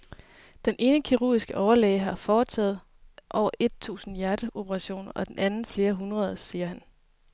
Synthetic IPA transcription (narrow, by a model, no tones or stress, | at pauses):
d̥enʔe̝ːnəkʰiʁṵːisɡ̥əʔɒʊɐlɛɪɦɑ̈fɒːt͡sʰɛ̰ːð̩ˠ | ʔɒ̰ʊɐʔe̝d̥̚t͡sʰṵːsn̩jæɐd̥əʔo̝b̥ʰpʰəʁɑ̈ɕo̝̰ːnɐʔɒ̽d̥en̩ʔænn̩fle̝ːɐɦunʁɐðˠsiːɐhæn